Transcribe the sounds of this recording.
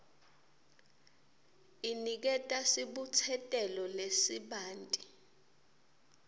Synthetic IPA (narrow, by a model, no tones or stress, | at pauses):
inik̬ɛtʼasiɓut͡sʰɛtʼɛlɔlesiɓaːntʼi